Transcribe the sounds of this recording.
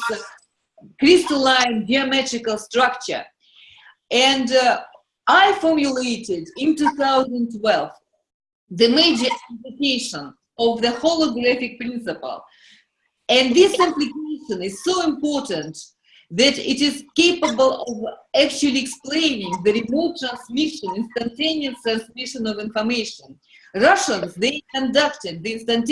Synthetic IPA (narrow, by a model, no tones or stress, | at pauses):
kɹɪstəlãɪ̃nd͡ʒiəmɛtɹɪkəlˠstɹak̚t͡ʃə̰˞ | ɨ̃nd | ʔaɪfɔɹmjuleɪtɪdɪ̃ntuθaʊzə̃ntwɛlˠv | ðɨmeɪd͡ʒə˞ɪ̃mplɪkeɪʃə̃n | ɔvðəhɔlˠəɡɹæfɪk̚pɹɪ̃nsɨpə̰l̩ˠ | ɨ̃nðɪsɪ̃mplɪkeɪʃə̃nɪz̥soʊɪ̃mpɔɹtə̃nt̪ | ðɨtɪtɪz̥keɪpəbəl̩ˠɔvæk̚t͡ʃʉlˠiɛksplẽɪnɪ̃ŋðɨɹimoʊt̚tɹãnsmɪʃə̃nɪ̃nstãntẽniəstɹæ̃nsmɪʃə̃nɔvɪ̃nfə˞meɪʃə̃n | ɹʌʃə̃nzðeɪkə̃ndaktɨd̪̚ðɨɪ̃nstãnt